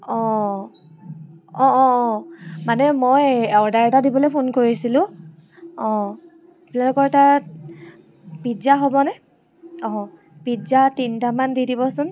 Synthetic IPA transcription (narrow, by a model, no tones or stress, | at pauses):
ɔ̃ | ɔ̃ɔ̃ | manɛmojɛɹdaɹtadibɔlojpʰonkoɹisilʊ̃ | ɔ̃ | plɛlɔkɔɹta | pizaɦobɔnɛ | ɔ̃ | pizatintamandidibɔsʊn